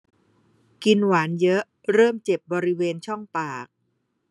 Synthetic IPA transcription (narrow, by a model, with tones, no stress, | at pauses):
ki˧nwaː˩˦njɤ˦˥ʔ | ɾɤː˥˩mt͡ɕe˨˩p̚bɔː˧ɾi˦˥weː˧nt͡ɕʰɔ˥˩ŋpaː˨˩k̚